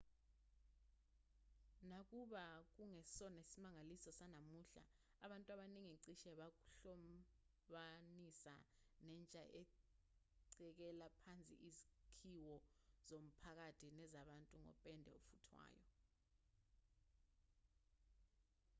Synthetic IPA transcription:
nak̬ʼuɓak̬uŋesɔnesimaŋalisɔsanamuɬa̰ː | ɓantʼwaɓaniŋiǀiʃɛɓak̬u̥ɬɔ | ɓanisa̰nɛːnt͡ʃʼaʔɛ | ǀɛk̬ɛlapʰant͡sʼḭʔizikʰiwɔz̥om̩pʰak̬atʰinɛzaɓantʼuŋɔ̰pʼɛndʱɛofutʰwa̰ːjɔ

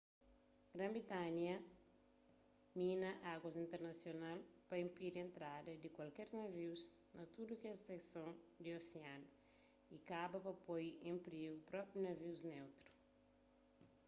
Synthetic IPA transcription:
ɡɾɐ̃mbɾit̪anjɐ | mĩnɐʔaɡwɐzĩnt̪eɾnɐsjonalpɐĩmpiɾẽnt̪ɾadɐd̪ikwalkɛɾnɐviwz | nɐt̪udukɛseksõnd̪ioseanɐ | ikabɐpɐpojẽmpɾiɡupɾɔpɾjunɐviwznewt̪ɾu̥

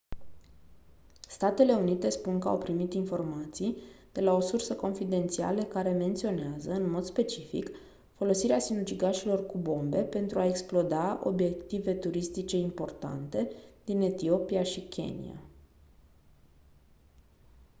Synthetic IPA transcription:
st̪at̪e̞le̞unit̪e̞spunkəa̰wpɾimit̪info̞rmat̪sijd̪̥e̞lao̞sursəko̞nfid̪e̞nt̪sia̰ləkaɾe̞me̞nt̪sio̞neazəɨnmo̞d̪spe̞t͡ʃifḭk | fo̞lo̞siɾeasinut͡ʃiɡaʃilo̞rkubo̞mbe̞pe̞nt̪ɾuae̞ksplo̞d̪ao̞̰bje̞k̚t̪ive̞t̪uɾist̪it͡ʃe̞impo̞rt̪a̰nt̪e̞d̪ine̞t̪io̞piaʃikʲʰe̞̰nḭa̰

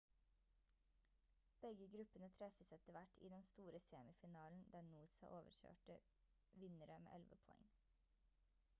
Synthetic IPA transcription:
b̥ɛɡəɡɾʉpənət̪ʰɾɛfəsɛt̪əʋæʈʰḭːd̪ɛnst̪uːɾəseːmɪfɪnɑːln̩d̪æːɳuːsɑ̰ʔoːʋə̰ɾçø̰ːʈə | ʋɪnəɾəmḛːʔɛlʋəpʰɔɛ̰ŋ

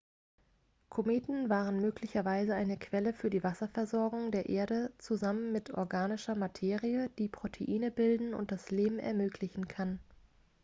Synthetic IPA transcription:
kʰomeːtn̩vaːʁ̞ənmøːklɪçɐvaɪzəaɪnəkv̥ɛləfyːɐdiːvasɐfɛɐzɔɐɡʊŋdeːɐʔeːɐɾət͡suzamənmɪtʔɔ̰ɐɡaːnɪʃɐmatʰeːʁiəd̥iːpʁ̥otʰeʔiːnəbɪldn̩ʊ̰nt̚d̥asleːbm̩ɛ̰ɐmøːkʰlɪçn̩kʰan

